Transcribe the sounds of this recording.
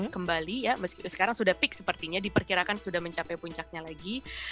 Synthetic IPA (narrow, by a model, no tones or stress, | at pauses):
kəmbalijaməskisə̥kaɾaŋsudahpɪk̚səpərt̪iɲadipərkiɾakansudahməɲt͡ʃapɛjpuɲt͡ʃak̚ɲalaɡi